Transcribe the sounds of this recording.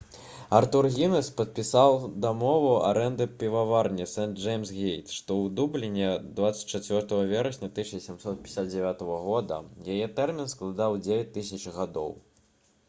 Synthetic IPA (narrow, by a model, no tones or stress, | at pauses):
art̪urɣʲinɛspɐt̪̚pʲisawd̪amɔvua̰ɾɛnd̪ɨpʲivavarnʲɛsɛnd͡ʐɛjmsɣʲejt̪ʂt̪ɔwd̪ublʲɪnʲːɛd̪vat̪sːɐ̥t͡sʲt͡ʂat͡sʲvʲɔrt̪ɐɣɐvʲɛɾɐsʲnʲɐt̪ɨʂnʲɐsʲɛmsɔt̪̚pʲɛisʲatd̪̚d͡zʲɛvʲat̪ɐɣɐɣɔd̪ɐ̰jajɛt̪ɛrmʲinsklˠad̪awd͡zʲevʲɛt͡sʲt̪ɨsʲɐt͡ʂɣad̪ɔ̰w